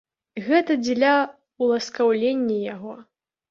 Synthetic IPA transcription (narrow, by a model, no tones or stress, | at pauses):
ɣɛt̪ɐd͡zʲlʲa | ulˠɐskawlʲenʲːɐjaɣɔ